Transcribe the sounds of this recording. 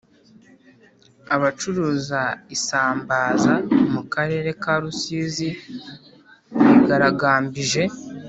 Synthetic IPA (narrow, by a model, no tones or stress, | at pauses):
aβat͡ʃuɾuːzaisaːmbaːzaomukaɾe̞ːɾe̞kaɾusiːzi | βiɡaɾaɡaːmbiʒe̞